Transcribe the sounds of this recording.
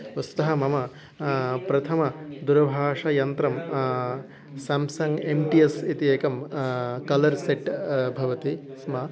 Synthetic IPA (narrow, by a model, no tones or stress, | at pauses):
ʋɐst̪ɐɦɐmɐmɐ | pɾɐt̪ʰɐmɐd̪uɾɐbʱaːʂɐjɐnt̪ɾɐm | sɐmsɐŋɡemʈiesit̪ieːkɐmkɐlɐɾseʈbʱɐʋɐt̪i | smɐ